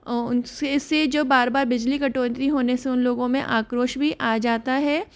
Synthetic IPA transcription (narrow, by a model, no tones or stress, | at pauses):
ʊseɪsːed͡ʒoːbaːɾbaːɾbɪd͡ʒlikɐʈoːnt̪ɾiɦoːneseʊnloːɡõmḛ̃ʔaːkɾoːʃbʱiʔaːd͡ʒaːt̪aɦɛː